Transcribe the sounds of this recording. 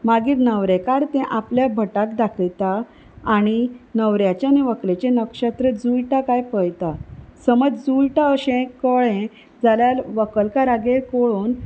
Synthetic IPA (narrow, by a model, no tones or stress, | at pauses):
maɡiːɾnəʋɾekaɾt̪ɛ̃ʔapljabʱəʈakd̪akʰt̪aː | ɽ̃inəʋɾjat͡ɕjaniʋəklet͡ɕẽnəkɕat̪ɾəd͡zujʈakajpəjt̪asəməd͡zd͡zujʈaəɕẽkɔɭẽ | d͡zaljalʋəkəlkaɾaɡeɾkoɭun